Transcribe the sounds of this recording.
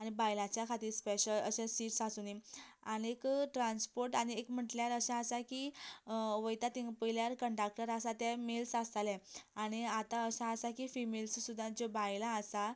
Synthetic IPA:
aɽ̃ibajlãt͡ɕjakʰat̪iːɾspeɕələɕẽsiːʈsasuniañekʈɾãnspoɾʈaɽ̃iekm̤əʈljaɾəɕãəsaki | ʋəjt̪at̪iŋɡpəjljaɾkəɳʈɾak̚ʈəɾasat̪ɛmelsasalɛaɽ̃iat̪aəɕaəsakifimelssud̪ʱːãd͡ʑobajlaːsa

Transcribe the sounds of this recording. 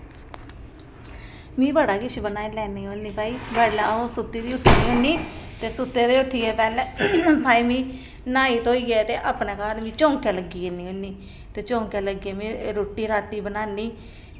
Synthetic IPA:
mĩːbəɽaːkɪt͡ʃʰbənaːilɛːniːɦoːniːpaːiːbɛːlɛosʊt̪ːiːd̪iːʊʈʰːiːniːɦõniːt̪eːsʊt̪ːeːd̪iːʊʈʰːiːɛːpɛːlɛ̃ːpaːiːmĩː | naːiːt̪oːiːɛːt̪eːʔapnɛːkaːlmĩːt͡ʃõːŋkɛːləɡiːeniːɦõniː | t̪eːt͡ʃõːŋkɛːləɡiːɛːmĩːɾoːʈːiːɾaːʈːiːbənaːnːiː

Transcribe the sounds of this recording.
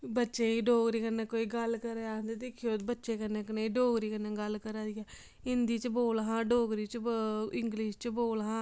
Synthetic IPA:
bətːʃeːiːɖoːɡɾiːkənːeːkoːiːɡəlkəɾeand̪ed̪ekʰijoːbətːʃeːkənːeːkəneːɖoːɡɾiːkənẽːɡəlkəɾaːd̪iːɛː | ɪnd̪iːt͡ʃboːlɦãːɖoːɡɾiːt͡ʃɪŋɡlɪʃt͡ʃboːlɦãː

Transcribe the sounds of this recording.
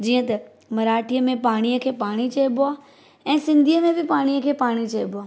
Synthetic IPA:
d͡ʑiːə̃t̪ɐ | mɐɾaːʈʰijəmẽpaːɽ̃ijəkʰeːpaːɽ̃it͡ʃɐjbʊaː | ɛ̃ːsɪ̃nd̪ʱiəmẽbɪpaːɽ̃ijəkʰeːpaːɽ̃it͡ʃɐjbʊaː

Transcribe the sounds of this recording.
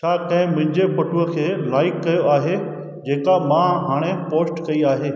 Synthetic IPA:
t͡ɕʰaːkɐ̃ɦɪ̃mʊ̃ɦɪ̃ɲd͡ʑepɐʈuəkʰeːlaːɪkːɐjoaːɦe | d͡ʑeːkamãɦaːɽ̃epoːsʈkɐiaːɦeː

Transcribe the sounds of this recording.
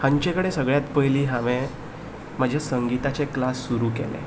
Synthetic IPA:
hãɲt͡ɕẽkəɽesəɡɭjat̪pəjliːɦãʋẽ | m̤əd͡ʑʱasəŋɡit̪at͡seklasːuɾuːkɛ̰lḛ

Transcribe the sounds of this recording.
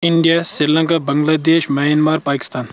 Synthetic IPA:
ɪɳɖijasɾilɐ̃ŋkabɐŋɡlaːd̪eːʃmɐjɐnmaːɾpaːkɪ̥st̪aːn

